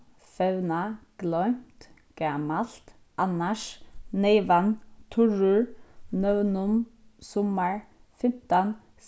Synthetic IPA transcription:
fɛʋnaɡ̥lœʏmt̪ | ɡ̥aːmalt̪ | ʔanaʃneɪʋant̪ʰʊɹʉɹnœʋnʊmsɔməɹ | fɪmt̪an | s

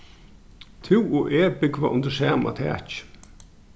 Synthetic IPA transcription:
t̪ʰɪwʊʔeːbɪɡvaʔʊnd̪əsæːma̰t̪ʰɛ̰ːt͡ʃ

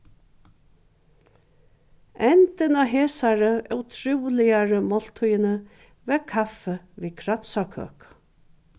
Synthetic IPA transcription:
ɛnt̪ɪnaɦeːsaɾəœwt̪ʰɾuwlɪjaɾəmɔl̥t̪ʰujɪnə | vɛɾkʰafɛ | viːkʰɾat̪sakʰø̰ːk

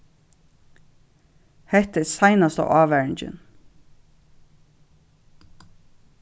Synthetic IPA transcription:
hɛht̪ɛsajnast̪a̰ʔɑːʋæːɹɪɲt͡ʃɪ̰n

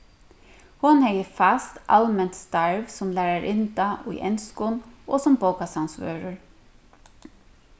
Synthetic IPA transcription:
hʊnhɛjəfast̪a̰lmɛnt̪st̪aɹʋsɔmlæːɾaɾʔɪnt̪aʔṵjʔɛ̰nskʊnʔo̰sɔmboʊkasansʋø̰ːɹəɹ

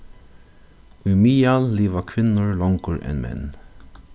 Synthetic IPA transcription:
ɪmiːɑlliːʋəkʰʋɪnəɹlɔŋɡəɹʔɛ̰̃nmɛ̰n

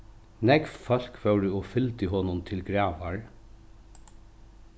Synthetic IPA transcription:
nɛɡfɑl̥kfœʉɾɪɔːfʏlt̪əɦɔnʊnt̪ʰɪlɡɾɑːʋɑɹ

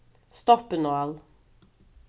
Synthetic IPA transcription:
st̪ɔpənɔɑl

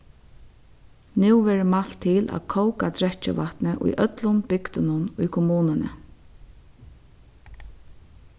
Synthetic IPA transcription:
nuwvɛːɹɪmalt̪ʰːɪlæ̰ðkʰowkat̪ʰɾɛt͡ʃːɪ̰ʋat̪nɪʔʊ̰jʔœt̪lʊnbɪkt̪ɪnʊnʊjkʰɔmuːnɪnə̰

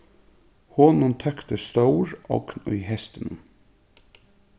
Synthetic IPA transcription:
hoːnənt̪ʰœkt̪əst̪oʊɹʔɑ̰ːkʰnʉ̰ʏhɛst̪ən

